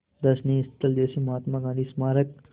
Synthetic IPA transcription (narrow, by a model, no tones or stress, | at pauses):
d̪ɐsnist̪əld̪eːsimɐɦaːt̪maːɡãːnd̪ismaːɾək̚